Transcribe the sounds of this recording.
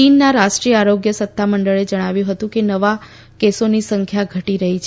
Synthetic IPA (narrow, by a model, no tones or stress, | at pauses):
inːaɾaʃʈɾijəaɾoɡjəsət̪ːaməɳɖəɭed͡ʒəɽ̃aʋjũɦət̪ũkenəʋa | kesonisəŋkʰjaɡʱəʈiɾəɦit͡ʃʰe